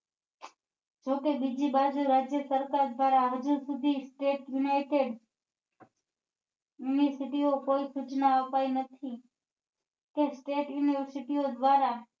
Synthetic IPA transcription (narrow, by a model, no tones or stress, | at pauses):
d͡ʒokebid͡ʒibad͡ʒuɾad͡ʒjəsəɾkaɾd̪ʋaɾaɦəd͡ʒusud̪ʱisʈeʈjunaiʈeɖ | juniəɾsiʈiokoisut͡ʃnaəpainət̪ʰi | kesʈeʈjuniʋəɾsiʈiod̪ʋaɾa